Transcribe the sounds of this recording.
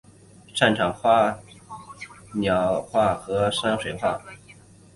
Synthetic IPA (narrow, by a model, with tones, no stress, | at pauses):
ʂa˥˩nʈ͡ʂʰɑ˨˩ŋxwa˥ | njɑ˨˩ʊxwa˥˩xɤ˧˥ʂa˥nŋʂwe˨˩ɪxwa̰˥˩